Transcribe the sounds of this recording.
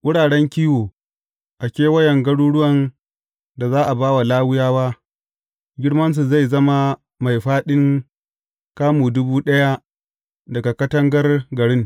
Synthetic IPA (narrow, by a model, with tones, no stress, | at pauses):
ʔʊ˦ɽaː˨ɽɛ˦ŋkʲiː˦woː˨ | ʔa˨kʲeː˦wɐ˦jɐ˨ŋɡɐ˦ɽuː˦ɽʊ˦wɐ˨n | da˨zaː˦ʔa˨baː˦wa˨laː˦wʊ˦jaː˦waː˦ | ɡʲɪ˦ɽmɐ˦ns̬u˨za˦˨jzɐ˦ma˦ | ma˨jɸaː˦ɗɪ˦ŋ | kaː˦muː˨dʊ˦buː˦ɗɐ˦ja˦ | dɐ˨ɡa˨kɐ˦tɐ˦ŋɡɐ˦rɡɐ˨ɽɪ˦ŋ